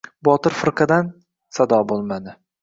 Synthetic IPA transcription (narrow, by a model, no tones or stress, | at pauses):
bɒt̪ɪɾfɪɾqʰɨd̪an | sad̪ɒbolˠmad̪ɪ